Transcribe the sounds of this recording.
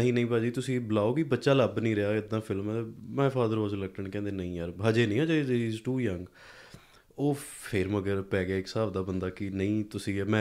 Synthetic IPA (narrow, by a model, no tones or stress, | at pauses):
əɦĩːnəĩːpaːd͡ʒiːt̪ʊsĩːbəlaːoːɡiːbətːʃaːləbnəĩːɾɪaːɪd̪ːãːpʰɪlmɛmɛ̃ːpʰaːd̪əɾaːzləkʈəɳkɛ̃ːnd̪eːnəĩːjəɾʱaːd͡ʒeːnĩːɦãːd͡ʒeɾiːzʈuːjə̃ŋɡ | oːpʰɪɾməɡəɾpɛːɡaːɪksaːbd̪aːbənd̪aːkɪnəĩːt̪ʊsĩːmɛ̃ː